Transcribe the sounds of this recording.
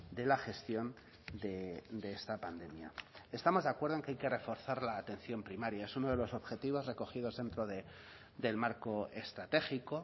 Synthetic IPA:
d̪e̞laxe̞st̪jo̞n | d̪ed̪e̞est̪apand̪e̞mja̰e̞st̪amo̞zðakweɾðoe̞ŋke̞ajke̞re̞fo̞ɾθaɾlaːt̪e̞n̟θjo̞mpɾimaɾjae̞suno̞ðe̞lo̞so̞βxe̞t̪iβ̞o̞zre̞ko̞xið̞o̞zðe̞nt̪ɾoðe | d̪e̞lmaɾko̞est̪ɾat̪e̞xiko̞

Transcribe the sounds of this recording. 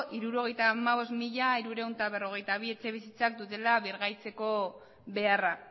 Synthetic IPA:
ʔiɾuɾo̞ɣ̞e̞jt̪amaβ̞o̞smiʎaiɾuɾe̞wnt̪aβe̞ro̞ɣ̞e̞jt̪aβ̞ie̞t͡se̞β̞isit͡sak̚d̪ut̪e̞laβiɾɣajt͡se̞ko̞ | βe̞ara

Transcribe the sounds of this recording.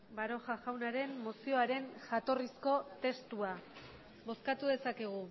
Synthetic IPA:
baɾo̞xaʝawnaɾe̞mːosio̞aɾe̞nʝat̪o̞risko̞t̪e̞st̪ua | bo̞skat̪uðe̞sake̞ɣ̞u

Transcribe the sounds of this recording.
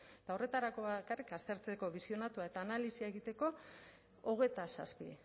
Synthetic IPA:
et̪ao̞re̞t̪aɾako̞βakarikast̪e̞ɾt͡se̞ko̞βisio̞nat̪uae̞t̪aːnalisiaeɣit̪e̞ko̞ | oɣ̞e̞t̪asa̰spḭ

